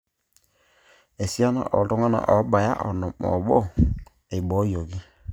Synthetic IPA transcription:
e˨si˦a˦na̰˦˨ʔɔ̰˨tɔ˦ŋa˦na̰˨ʔɔ˨˦ba˨ja̰˦ʔɔ˨nɔ˨mɔ̰˨bɔ˦ | e˨bɔ˨˦jo˨ɡi˦

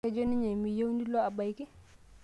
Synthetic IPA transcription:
ɛ˦d͡ʒo˦ni˦ɲa˨mi˨ja˦wndi˦lɔ˦a˨ba˨jkɪ˦

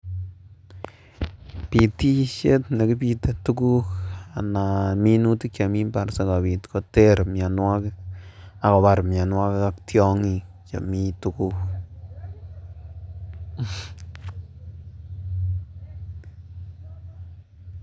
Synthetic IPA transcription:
pi˨ti˦ʃe˦tna˨ki˦pi˧te˨tu˦ku˦ka˨na˨mi˦nu˦ti˦kja˨mi˦mpa˨ɾsa˦ka˨bi˨t̪ko˦te˦ɾmja˨nwa˦k | a˨kɔ˨ba˦ɾmja˨nwa˦kka˦ktjɔ˦ŋi˧ | kja̰˨mi˦tu˦ku˦k

